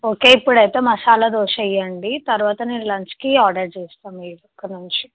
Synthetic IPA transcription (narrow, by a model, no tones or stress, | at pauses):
oke̞ːipːuɽɐjt̪e̞ːmɐsaːlɐd̪oːʂɐjːɐɳɖit̪ɐɾuʋaːt̪ɐniːɾilɐɲt͡ʃkiaːɖɐɾt͡ʃeːst̪aːmiːɽɔkːɐnuɲt͡ʃi